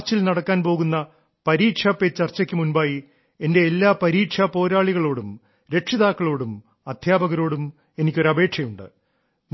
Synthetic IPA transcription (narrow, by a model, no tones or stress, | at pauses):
t͡ɕːilnɐɽɐkːaːnpo̞ːɣunːɐ | pɐɾiːʈʂɐpːet͡ɕːɐrt͡ɕːɐkʲːɨmunbaːji | e̞nde̞ːlːaːpɐɾiːʈʂɐpo̞ːɾaːɭiɣɐɭo̞ːɽum | ɾe̞ʈʂiðaːkːɐɭo̞ːɽum | ɐd̪̥ʱjaːbɐɣɐɾo̞ːɽum | e̞nikʲːo̞ɾɐbʱe̞ːʈʂɐjuɳɖɨ̰ | m